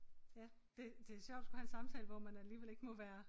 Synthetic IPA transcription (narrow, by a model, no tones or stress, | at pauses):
jæd̥e̝d̥e̝æɐɕjɒʊ̰d̥sɡ̥uhæensɑ̈mt͡sʰɛ̰ːləʋɒmænæliːʋele̝ɡ̥əmɒ̽ʋæːɐ